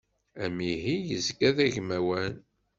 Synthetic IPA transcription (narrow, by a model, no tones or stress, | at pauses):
æmiɦijəzɡæðæʝmæwæn